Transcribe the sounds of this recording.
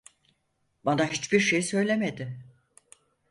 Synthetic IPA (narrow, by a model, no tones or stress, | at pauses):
banaɦit͡ʃbiɾʃejisø̞jlʲe̞med̪ɪ